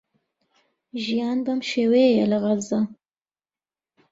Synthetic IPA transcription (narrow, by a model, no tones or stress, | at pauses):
ʒijɑnbamʃewejelaɣalza